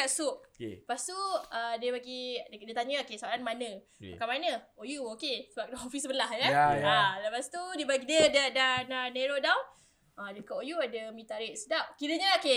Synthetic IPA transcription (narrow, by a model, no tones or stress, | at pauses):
aʔsuʔ̚past̪uədəbaɡidiət̪aɲəokesoalanmanə̃ | akamanəojuokesəbap̚naɦofisəbəlahjaaləpastit̪udibaɡidiədadananeɾodaw | adəkaʔojuadəmĩt̪aɾɛʔsədap̚kiɾəɲəoke